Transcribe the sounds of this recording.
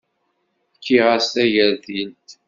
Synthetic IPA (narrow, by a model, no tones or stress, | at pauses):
kʰːiʁast̪æʝəɾθilt̪